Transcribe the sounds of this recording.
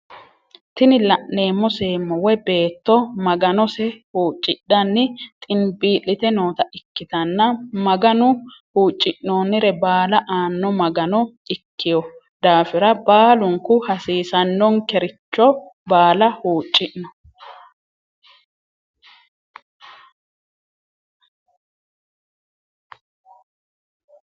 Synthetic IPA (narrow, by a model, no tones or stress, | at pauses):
t̪ɪnɪlɐʔːe̞ːmːɔseːmːɔwɔbe̞ːt̪ːɔmɐɡɐnɔsɛhuːt͡ʃʼːɪᶑɐnːɪt̪ʼɪnbiːlːɪt̪ɛnoːt̪ɐʔɪkːɪt̪ɐnːɐmɐɡɐnʊhuːt͡ʃʼːɪʔnoːnɪɾɛbaːlɐʔaːnːɔmɐɡɐnɔɪkːɪjɔ | d̪aːfɪɾɐbaːlʊŋkʊhɐsiːsɐnːɔŋkɛɾɪt͡ʃːɔbaːlɐhuːt͡ʃʼːɪʔnɔ